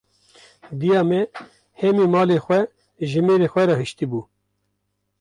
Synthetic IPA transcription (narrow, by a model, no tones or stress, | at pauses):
d̪ijɑːmɛ | hɛmiːmɑːleːxʷɛ | ʒɨmeːɾeːxʷɛɾɑːhɨʃt̪ibuː